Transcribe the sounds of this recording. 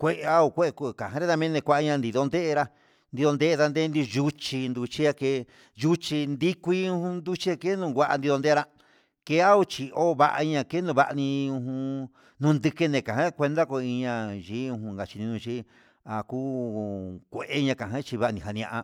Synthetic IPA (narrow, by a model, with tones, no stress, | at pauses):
kʷe˦ʔa˦o˧˨kʷe˦ʔku˧˨kã˨ɦã˧ɾa˦t̪a˧mẽ˦nẽ˧kʷa˧ʔa˦˧ɲã˧nd̪i˧ðo˧nd̪e˦ʔɾa˧ | nd̪i˧ðo˧nd̪e˦ʔe˧ða˧nd̪e˦nd̪i˧ʒu˦t͡ʃi˧nd̪u˧t͡ʃi˦a˧ke˧˦ | ju˦t͡ʃi˧nd̪i˦kʷi˧˦ũ˧hũ˧nd̪u˦t͡ʃi˦a˧ke˦nũ˧ɡʷa˧ʔa̰˧nd̪i˧ðo˧nd̪e˦˧ɾa˧ | ke˧˦a˦o˧t͡ʃi˧˨o˦˧βa̰˧ʔa̰˧ɲã˧ke˦nũ˧βa˧ʔnĩ˧ũ˧ɦũ˧ | nũ˧nd̪ɨ˧ke˧nẽ˨kã˨ɦã˦˧kʷe˧nd̪a˦ko˧i˧ɲã˧ʒiː˦ũ˧hũ˧ŋɡa˨t͡ʃi˧nĩ˧ũ˧t͡ʃi˦ | a˨kuː˦ | kʷe˧˨ʔe˦˧ɲã˧kã˨ɦã˦t͡ʃi˧βa˦ʔnĩ˨ɦa˧nĩ˧ã˧ʔa˧